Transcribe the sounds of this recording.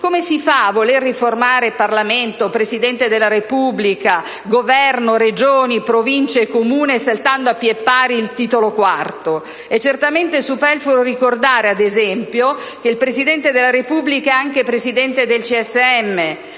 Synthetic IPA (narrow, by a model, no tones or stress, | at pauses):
komesifavːolerːiformaːɾeparlament̪opɾezid̪ɛnt̪ed̪elːaɾepublika | ɡovɛrnoɾed͡ʒoːnipɾovint͡ʃeːkːomuːnesalt̪and̪oapːjepːaːɾiːlt̪iːt̪olokwart̪o | ɛt͡ʃːert̪ament̪esupɛrfulorikord̪aːɾead̪ezɛmpjok̟eilpɾesid̪ɛnt̪ed̪elːaɾepublikaeaŋkepɾezid̪ɛnt̪ed̪elt͡ʃiɛsːeɛmːe